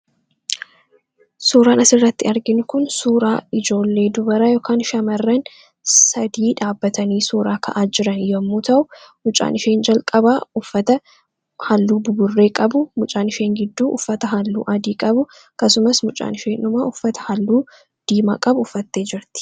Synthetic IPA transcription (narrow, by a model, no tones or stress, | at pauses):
suːɾaːnɐsɪrːɐt̪ːɪɐɾɡɪnʊkʊnsuːɾaːɪd͡ʒo̞ːlːe̞ːd̪ʊbɐɾɐjoːkʰaːnʃɐmɐrːɐn | sɐd̪iːᶑaːbːɐt̪ɐniːsuːɾaːkʰɐ̰ʔaːd͡ʒɪɾɐnjomːuːt̪ɐʔʊmʊt͡ʃʼa̰ːnɪʃeːnd͡ʒɐlkʼɐbaːʊfːɐt̪ɐ | hɐlːuːbʊbʊrːe̞ːkʼɐbʊmʊt͡ʃʼaːnɪʃe̞ːŋɡɪd̪ːuːʔʊ̰fːɐt̪ɐɦɐlːuːʔɐd̪iːkʼɐbʊ | kɐsʊmɐsmʊt͡ʃʼa̰ːnɪʃeːnʊmaːʔʊfːɐt̪ɐ̥hɐlːuː | d̪̥iːma̰ːkʼɐbʊʊfːɐt̪ːe̞ːd͡ʒɪɾt̪ɪ̥